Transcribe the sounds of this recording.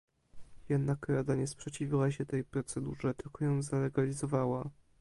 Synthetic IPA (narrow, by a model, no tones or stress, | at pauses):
jɛd̪nakɾad̪aɲɛspʂɛt͡ɕivʲiwaɕɛt̪ɛjpɾɔt̪sɛd̪ṵʐɛt̪ɘlkɔjɔ̃w̃zalɛɡalʲizɔvawa